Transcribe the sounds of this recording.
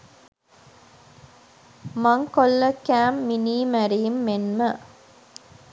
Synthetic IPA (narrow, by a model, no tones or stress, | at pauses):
mɐŋkolːəkæːmːiniːmæɾijumːenmə